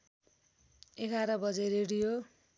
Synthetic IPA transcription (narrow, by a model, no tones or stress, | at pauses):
eɡʱaɾʌbʌd͡zeɾeɽijo